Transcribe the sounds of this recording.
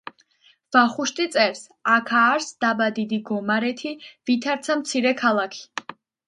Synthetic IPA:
v̥aχuʃt̪ʼit̪sʼɛɾs | akʰaːɾsd̪̥abad̪id̪iɡɔmaɾɛt̪ʰivit̪ʰaɾt̪sʰamt̪sʰiɾɛkʰalˠakʰi̥

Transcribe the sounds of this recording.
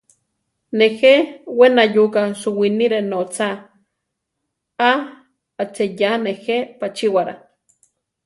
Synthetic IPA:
nexewenajukaʃuwiniɾenot͡sa | a | at͡sejanehepat͡ʃiwaɾa̰

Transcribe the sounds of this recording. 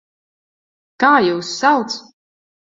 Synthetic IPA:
kaːjuːsːalˠt̪s

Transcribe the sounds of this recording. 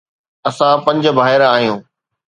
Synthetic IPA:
ɐsãpɐ̃ɲd͡ʑ̆bʱaːɦɪɾaːɦijũː

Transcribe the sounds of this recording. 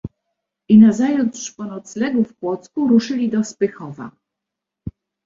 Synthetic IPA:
inazajut̪ʂpɔnɔt̪slɛɡufkwɔt̪skuɾuʂɘlʲid̪ɔspɘxɔva̰

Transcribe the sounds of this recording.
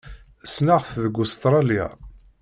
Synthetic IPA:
snaʁθðɡʊst̪ɾˤɑlja̰

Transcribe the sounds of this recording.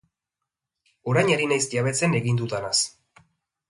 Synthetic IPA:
o̞ɾajɲaɾinajsjaβe̞t͡sene̞ɣind̪ut̪anas

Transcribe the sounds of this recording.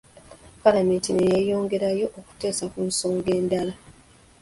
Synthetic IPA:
kaɾamintinejajo̞ːŋɡe̞ɾajo̞ʔoku̥te̞ːsakunso̞ːŋɡe̞ːndala

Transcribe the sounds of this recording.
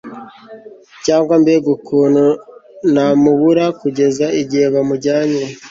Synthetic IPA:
caːŋɡwambeɡukuːnunamuβuɾakuɟe̞zaiɟieβamuɾɟaːɲe

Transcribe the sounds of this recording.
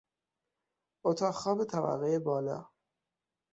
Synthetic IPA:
ot̪ʰɒːxɒːbet̪ʰæva̰ɣeebɒːlɒ̰ː

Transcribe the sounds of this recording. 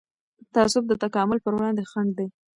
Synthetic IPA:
t̪aasʊb̚d̪ət̪akɑmʊlpəɾwɽɑnd̪exaɳɖ̚d̪e

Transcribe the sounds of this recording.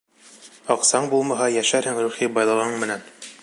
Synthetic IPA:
ɑqsɑɴbulˠmɑɦɑjæʃæɾhɘŋɾuχibɑjlˠɤ̆ʁɤɴmɘ̆næn

